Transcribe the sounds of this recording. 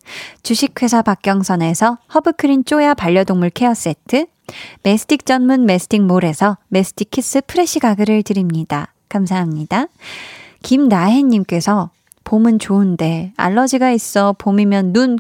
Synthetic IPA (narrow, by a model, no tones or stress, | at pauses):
t͡ɕuɕʰik̚kʰwe̞sʰapak̚k͈jʌŋsʰʌne̞sʰʌhʌbɯkʰɯɾint͡ɕ͈ojapaʎːʌdoŋmuɭkʰe̞ʌs͈e̞tʰɯ | me̞sʰɯ̥tʰik̚t͡ɕ͈ʌnmunme̞sʰɯ̥tʰiŋmoɾe̞sʰʌme̞sʰɯ̥tʰikʰis͈ɯpʰɯɾe̞ɕ͈ʰiɡaɡɯɾɯɭtɯɾimɲida | kamsʰaɦamɲid̥a | kimnaɦeɲːimk͈e̞sʰʌ | pomɯnt͡ɕoɯnde̞a̰ɭːʌd͡ʑiɡais͈ʌpomimjʌnːun